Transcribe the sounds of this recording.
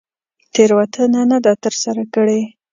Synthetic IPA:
t̪eɾwat̪ʰənanad̪at̪əɾsaɾakəɽe

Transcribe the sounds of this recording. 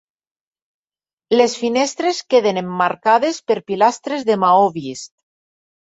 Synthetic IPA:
lesfinest̪ɾeskeðenemːaɾkaðespeɾpilast̪ɾezðemaoβist̪

